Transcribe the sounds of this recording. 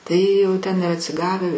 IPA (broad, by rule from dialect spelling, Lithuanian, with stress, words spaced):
ˈtɐɪ jɛʊ ˈtʲɛn ɪr ɐtʲsʲɪˈɡɑːʋʲɛ